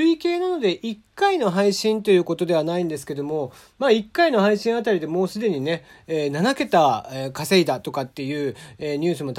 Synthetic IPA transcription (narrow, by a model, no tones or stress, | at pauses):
ɯike̞ːnano̞d̪e̞ʔikːaino̞ɦaiɕĩnt̪o̞jɯ̟ːko̞t̪o̞d̪e̞β̞anaĩnd̪e̞sɨ̥ke̞d̪o̞mo̞ | maːikːaino̞haiɕĩɰ̃at̪aɾʲid̪e̞mo̞ːsɨd̪e̞ɲ̟ine̞ | eːnanake̞t̪aekase̞id̪at̪o̞kat̪ːe̞jɯ̟ːeːɲ̟ɨːsɨmo̞t̪